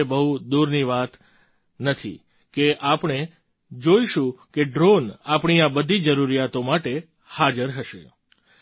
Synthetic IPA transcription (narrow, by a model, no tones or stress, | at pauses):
ebəɦud̪uɾniʋat̪ | nət̪ʰḭ | keʔapɳ̃e | d͡ʒoiʃũkeɖɾonapɳ̃iabəd̪ʱid͡ʒəɾuɾijat̪omaʈe | had͡ʒəɾɦəʃe